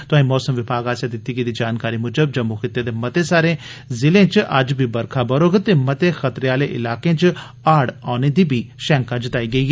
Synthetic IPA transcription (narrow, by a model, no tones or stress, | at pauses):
t̪ʊãːĩmɔːsəmʋɪbʱaːɡaːsjad̪ɪt̪ːiːɡiːd̪iːd͡ʒaːnkaːɾiːmʊd͡ʒəb̚d͡ʒəmːuxɪt̪ːed̪eːmɐt̪eːsaːɾẽː | zɪlẽːt͡ʃʔɐ̰d͡ʒbʱiːbəɾkʰabəɾoːɡt̪eːmɐt̪eːxət̪ɾeaːleːʔɪ̰laːkẽːt͡ʃ | aːɽaːneːd̪iːbʱiːʃɛ̃ːŋkad͡ʒɪt̪aːiːɡəiː